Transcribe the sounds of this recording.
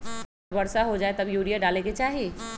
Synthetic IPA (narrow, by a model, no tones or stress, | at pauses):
bɐɽsaɦod͡ʒaːet̪ɐbjuːɽijaɖaːlẽket͡ʃaːɦie